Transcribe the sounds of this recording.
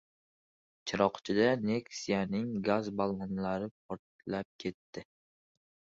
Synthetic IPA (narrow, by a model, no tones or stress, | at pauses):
t͡ʃʰɪɾɒqt͡ʃʰɪd̪ane̞ksijanɪŋɡazbalˠmɒnlaɾɪp̚ʰɒɾt̪lap̚kʲʰe̞t̪ʰːɪ